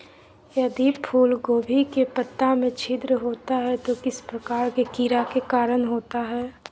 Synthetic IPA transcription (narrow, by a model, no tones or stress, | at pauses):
jɐd̪ipʰuːlɡoːbʱikepət̪ːamẽt͡ʃʰɪd̪ɾəɦoːt̪aɦɛt̪okɪspɾɐkaːɾkekiɾakekaːɾənɦoːt̪aɦɛː